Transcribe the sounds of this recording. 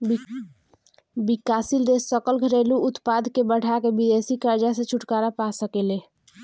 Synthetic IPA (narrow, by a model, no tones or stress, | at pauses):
bikasild̪esːəkəlɡʱəɾeluut̪pad̪ʱkebəɽ̤ʱakebid̪esikəɾd͡ʒasẽt͡ʃʰuʈkaɾapasəkele